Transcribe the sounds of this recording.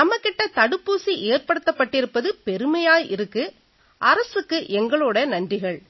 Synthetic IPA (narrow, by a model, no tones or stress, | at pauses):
nɐmːɐkːɪʈːɐt̪ɐɽɯpːuːsiʔeːrpɐɽɯt̪ːɐpːɐʈːɪɾɯpːɐðɯpɛɾɯmɐjaːjʔɪ̰ɾɯkːɯ | ʔɐɾɐsɯkːɯʔɛŋɡɐɭɔːɽɐnɐndrɪɣɐɭ